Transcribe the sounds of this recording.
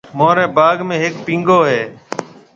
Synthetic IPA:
mõːɾɛːbaːɡmẽːɦɪkpĩːŋɡoːɦeː

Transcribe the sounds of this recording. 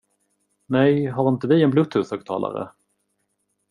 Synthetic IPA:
nɛjɦaɾɪnt̪əvɪɛnblɵt̪hʉːshœːɡ̚t̪ʰɑ̰ːlʔa̰ɾə̰

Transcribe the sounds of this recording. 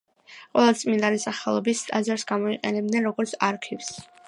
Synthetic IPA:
qʼwɛlˠat̪sʼmind̪alisaχɛlˠɔbisazaɾsɡamɔiqʼɛ̰nɛb̚d̪nɛnɾɔɡɔɾt̪sʰaɾkʰivs

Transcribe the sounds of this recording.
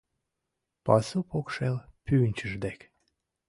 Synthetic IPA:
pɑsupokʃelpynʲt͡ɕəʒd̪ek

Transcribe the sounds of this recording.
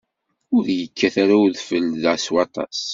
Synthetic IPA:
ʊɾjəkʰːæθaɾauðfəlðæswɑt̪ˤɑ̰s

